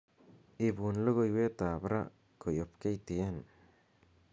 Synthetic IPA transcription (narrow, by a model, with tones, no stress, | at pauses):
ʔɪ˨buː˨nlɔ˦ɣɔ˨jwɛː˦t̪aː˨bɾɐ̰˦ | kʰɔ˨jɔ˨bkʰɛ˦jt̪ɪ˨ja˦n